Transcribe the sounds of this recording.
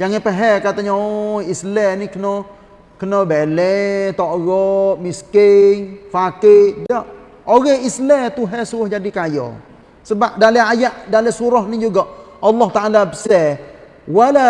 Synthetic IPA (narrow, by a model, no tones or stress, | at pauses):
jaŋapəɦɛkat̪aɲaojislɛnikənɔ | kənɔbelɛt̪ɔʔɣɔʔmiskɪŋfakɪdɔʔ | oɣɛhislɛt̪uɦɛsuɣʊhd͡ʒadikajɔ̰ | səbap̚dalɛajaʔdalɛsuɾɔhnid͡ʒuɡɔʔ | ɑlːɔht̪aʔalabəsɛ | wala